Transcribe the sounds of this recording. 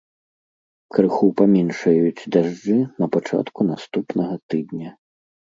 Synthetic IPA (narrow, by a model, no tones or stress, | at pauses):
kɾɨxupamʲinʂɐjut͡sʲd̪aʐd͡ʐɨnɐpat͡ʂa̰t̪kunast̪upnɐɣɐt̪ɨd̪nʲɐ